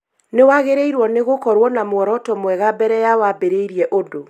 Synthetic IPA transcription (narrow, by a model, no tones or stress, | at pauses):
newaɣeɾeiɾwɔneɣokɔɾwɔnamwɔɾɔtɔmwɛɣabɛɾɛjawabeɾeiɾiɛʔodo